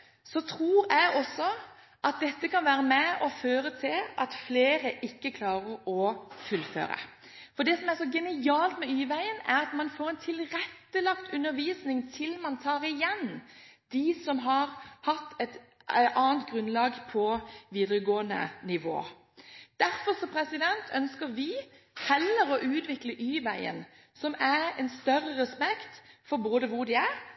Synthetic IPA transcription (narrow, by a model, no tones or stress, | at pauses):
sɔt̪ʰɾuːɾæɪɔsːɔ | ʔɑt̪̚d̪ɛt̪ːəkɑnʋæːɾəmɛɔføːɾət̪ʰɪlɑt̪fleːɾəʔɪkːəkʰlɑːʁəɾɔfʉlfø̰ːɾə̰ | fɔɖ̪ɛsɔmæɾsɔɡɛnɪɑːlt̪mɛyːʋæɪənæʁɑt̪mɑnfoːɾɛnt̪ʰɪlɾɛt̪ːəlɑkt̪ʰʉnːəɾʋiːsnɪŋt̪ʰɪlmɑnt̪ʰɑːɾɪjɛnd̪̥ɪsɔmɦɑɾhɑt̪ːɛt̪ | ʔɑːnt̪̚ɡʁʉnlɑːɡpʰɔʋiːd̪ɾəɡoːənə̰nɪʋo̰ː | d̪̥æɾfɔɾsɔpʰɾɛsɪd̪ɛnt̪ʰœnskəɾʋɪ | hɛlːəɾɔʔʉːt̪ʋɪkləʔyːʋæɪə̰n | sɔmæɾɛnst̪œrːəɾɛspɛkt̪fɔɾboːd̪əʋʊɾd̪ɪæɾ